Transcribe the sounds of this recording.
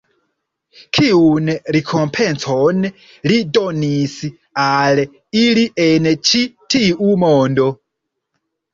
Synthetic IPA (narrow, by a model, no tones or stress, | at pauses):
kʰiunɾekʰo̞mpʰent͡son | lidonis | al | iliʔent͡ʃitʰiumondo̞